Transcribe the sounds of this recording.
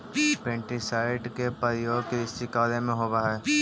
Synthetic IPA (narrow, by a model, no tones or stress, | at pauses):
pẽːɳʈisaːɪɖkepəɾjoːɡkeɪst̪ʰɪkaːlemẽɦoːbaɦɛː